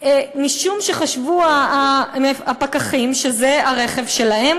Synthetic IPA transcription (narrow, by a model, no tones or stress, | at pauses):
emiʃumʃeχaʃvuaaapakaχimʃezeaʁeχe̞vʃe̞lae̞m